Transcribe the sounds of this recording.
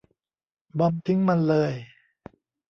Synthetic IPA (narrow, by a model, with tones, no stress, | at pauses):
bɔ˧mt̪ʰi˦˥ŋma˧nlɤː˧j